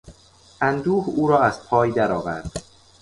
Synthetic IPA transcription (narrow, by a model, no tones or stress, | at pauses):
ʔænd̪uːhuːɾɒːæzpʰɒːjd̪æɾɒːvæ̰ɾd̪̥